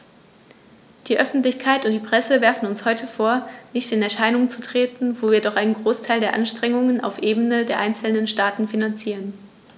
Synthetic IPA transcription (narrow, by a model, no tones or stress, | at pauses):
d̥iːʔœfn̩tlɪçkʰaɪtʊntd̥iːpʁ̥ɛsəvɛɐfn̩ʊnshɔʏtʰəfoːɐnɪçtɪnɛɐʃaɪnʊŋt͡sutʁ̥eːtn̩voːviːɐdɔχʔaɪnənɡʁoːstʰaɪldeːɐʔanʃtʁ̥ɛŋʊŋəna̰ʊfʔeːbənədeːɐʔaɪnt͡sl̩nənʃtaːtn̩finant͡siːʁən